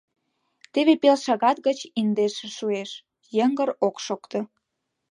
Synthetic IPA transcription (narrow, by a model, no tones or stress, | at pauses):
t̪eβepelʃɑɣɑt̪̚ɣət͡ɕind̪eʃĕʃueʃ | jəŋɡəɾokʃokt̪o